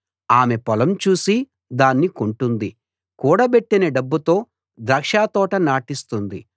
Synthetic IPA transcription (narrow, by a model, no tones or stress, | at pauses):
aːme̞pɔlɐmt͡ʃuːsi | d̪aːnːikuɳʈund̪i | kuːɽɐpe̞ʈːinɐɖɐbːut̪o̞ː | d̪ɾɐkʂaːt̪ɔːʈɐnaːʈist̪und̪i